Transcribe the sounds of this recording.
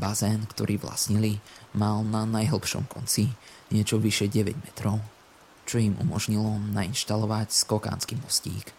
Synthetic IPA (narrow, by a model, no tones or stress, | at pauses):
bazɛːnkt̪ɔɾʔiːʋla̰sɲilimalnanajɦl̩ˠpʃɔ̰mkɔ̰nt͡si | ɲɪɛt͡ʃɔʋiʃɛɟɛʋɛ̰ɟmɛt̪ɾɔʊ | t͡ʃɔjimṵmɔʒɲilɔnainʃt̪alɔʋacskɔka̰ːnskiːmɔscḭːk